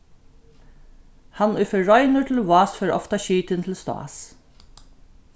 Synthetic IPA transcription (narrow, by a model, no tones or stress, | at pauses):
hɑnɛfœɹɔʏnʊɹt̪ʰɪlwɑːsfœɹɔ̰ft̪ɑɕiːt̪ɪnt̪ʰɪlst̪ɑ̰ːs